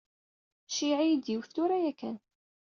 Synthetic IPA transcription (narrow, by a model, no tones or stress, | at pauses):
ʃiʕijid̪iwθt̪uɾæjækːæ̰n